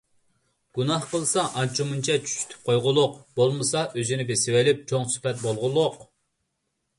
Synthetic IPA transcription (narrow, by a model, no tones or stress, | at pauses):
ɡ̥unɑhqəlˠsɑʔɑnt͡ʃʰumunt͡ʃʰɛt͡ʃʰy̥ʃy̥t̪ʰy̥p̚qʰojʁʊlˠʊqb̥olˠmɨsɑʔøzynɪbesɪwelyp̚t͡ʃʰoŋsy̥pɛt̪̚bolˠʁʊlˠːʊq